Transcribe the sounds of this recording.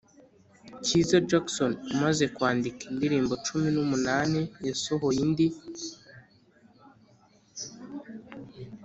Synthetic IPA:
cizad͡ʒaksonumaze̞kwaːndikindiɾiːmbo̞t͡ʃuminumunanejesoɦojindi

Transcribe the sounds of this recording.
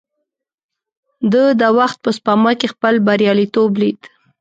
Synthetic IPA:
d̪əd̪əwaxt̪̚pəspɑmɑkexpəlbaɾjɑlit̪oblid̪

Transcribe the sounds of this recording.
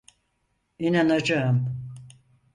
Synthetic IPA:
inanad͡ʒaɯm

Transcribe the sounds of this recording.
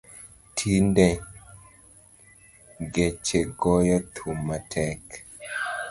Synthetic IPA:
tʰindɛ | ɡet͡ʃeɡɔjat̪ʰumatʰɛk

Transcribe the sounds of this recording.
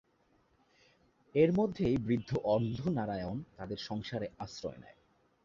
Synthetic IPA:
eɾmod̪ʱːejbɾid̪ʱːoʔɔɾd̪ʱonaɾaeont̪ad̪eɾʃɔŋʃaɾeasɾɔ̰enɛ̰e

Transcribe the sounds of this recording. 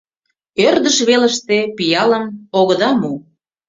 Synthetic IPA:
ørd̪əʃβeləʃt̪epijɑləmoɣəd̪ɑmu

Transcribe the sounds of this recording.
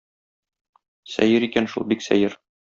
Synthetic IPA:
sæ̰jɘɾikænʃṵlˠbiksæ̰jɘɾ

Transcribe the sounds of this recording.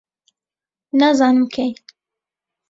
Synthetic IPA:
nazɑnɨmkʰej

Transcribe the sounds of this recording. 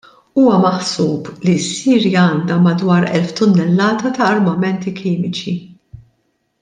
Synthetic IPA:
uːwɐmɐħsuːblisːiːɾjɐɐːnd̪ɐmɐd̪wɐːɾɛ̰lft̪ʊnːɛlːɐːt̪ɐt̪ɐːɾmɐmɛnt̪ikʰiːmɪt͡ʃi

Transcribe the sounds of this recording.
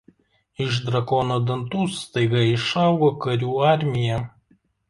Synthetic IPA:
ɪʒd̪ɾɐkɔːnoːd̪ɐnt̪uːst̪ɐɪɡɐɪʃɑˑʊɡoːkɐɾʲuːɑˑɾʲmʲɪjɛ

